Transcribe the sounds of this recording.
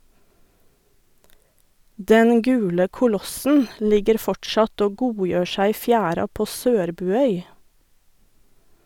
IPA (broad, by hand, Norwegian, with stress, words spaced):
ˈdɛn ˈɡʉːlə kʊˈlɔsn̩ ˈlɪɡəɾ ˈfɔʈʃɑt ˈoː ˈɡuːˌjøː ˈʃæɪ ˈiː ˈfjæːɾɑ ˈpoː ˈsøːɾbʉːˌœʏ